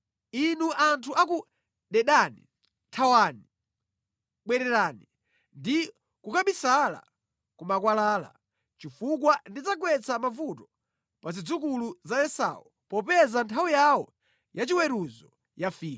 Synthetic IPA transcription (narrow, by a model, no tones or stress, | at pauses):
inuʔantʰuʔak̬u | ɗɛɗaːni | tʰawaːni | ɓwɛɾɛɾaːni | ndi | kukaɓisala̰ | kumakwalaːla̰ | t͡ʃifuk̬wandit͡saɡwɛt͡samavutɔ | pazid͡zuk̬uluzajɛsa̰wu | pɔpɛzantʰawijawɔ | jat͡ʃiwɛɾuzɔ | jafiːk